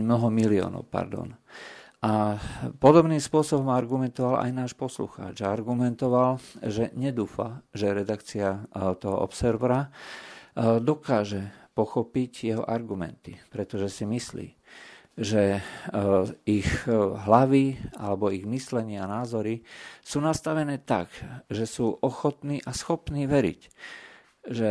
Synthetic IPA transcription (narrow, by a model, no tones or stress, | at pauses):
mnɔɦɔmiliɔ̰ːnɔ̰ʊpa̰ɾd̪ɔ̰n | apɔd̪ɔbniːmspʊɔsɔbɔmaɾɡumɛnt̪ɔʋala̰jnaːʃpɔslṵxa̰ːd͡ʒaaɾɡumɛnt̪ɔʋalʒɛɲɛd̪uːfa̰ʒɛɾɛd̪akt͡siat̪ɔɦɔ̰ʔɔ̰psɛɾʋɾa | d̪ɔkaːʒɛpɔxɔpiɟjɛɦɔ̰ʔaɾɡumɛ̰nt̪ipɾɛt̪ɔʒɛsimislḭː | ʒɛ | ixɦlaʋia̰lɛbɔiɣmislɛɲɪanaːzɔɾisuːnast̪aʋɛnɛːt̪a̰ɡʒɛsuːʔɔxɔt̪niːʔasxɔpniːʋɛɾḭc | ʒɛ